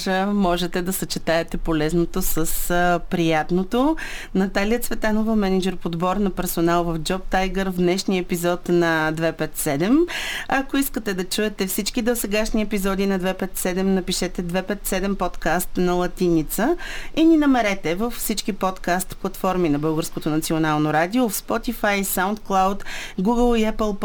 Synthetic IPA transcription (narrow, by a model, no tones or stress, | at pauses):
ʒəmɔʒɛt̪ɛd̪ɐsət͡ʃɛt̪aɛt̪ɛpolɛznot̪osəspɾijat̪not̪o | nɐt̪aliət̪svɛt̪anovəmɛnid͡ʒɛɾpod̪bɔɾnɐpɛɾsonalˠvəfd͡ʒɔp̚t̪ajɡəɾvd̪nɛʃniəɛpizɔt̪nɐd̪vɛpɛt̪sɛd̪ɛmɐkoiskət̪ɛd̪ɐt͡ʃuɛt̪ɛfsit͡ʃkid̪osɛɡaʃniɛpizɔd̪inɐd̪vɛpɛt̪sɛd̪ɛmnɐpiʃɛt̪ɛd̪vɛpɛt̪sɛd̪ɛmpɔt̪kast̪nɐlˠɐt̪init̪səininɐmɛɾɛt̪ɛvəfsit͡ʃkipɔt̪kast̪plˠɐt̪fɔɾminɐbɤlˠɡəɾskot̪onɐt̪sionalˠnoɾad̪iofspɔt̪ifajsaʊnt̪klˠawt̪ɡuɡəlˠiɛpəlˠp